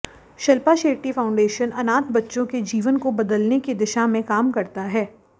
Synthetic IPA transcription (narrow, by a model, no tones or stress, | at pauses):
ʃɐlpaʃeːʈifaːʊ̃ɳɖeːʃənɐnaːt̪bɐtːʃõked͡ʒiːʋənkobɐd̪əlnekid̪ɪʃamẽkaːmkɐɾt̪aɦɛː